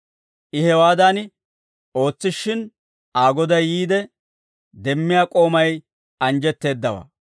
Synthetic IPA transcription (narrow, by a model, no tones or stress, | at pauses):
ʔɪhɛwaːd̪aːnɪ | o̞ːt͡sːɪʃːɪn | aːɡɔd̪ɐjːiːd̪ɛ | d̪ɛmːɪjaːkʼo̞ːmɐj | ɐnd͡ʒɛt̪ːe̞ːd̪ːɐwa̰ː